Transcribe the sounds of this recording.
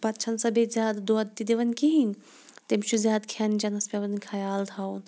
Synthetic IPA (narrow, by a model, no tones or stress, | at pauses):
pɐtːt͡ʃʰɐnsɐbʱezʲjaːd̪d̪oɐd̪̚t̪id̪eʋɐnkiɦin | t̪emt͡ʃʰuzʲjaːd̪kʰɐnd͡ʒɐnɐspʲeʋɐnkʰɐjaːlt̪ʰaːun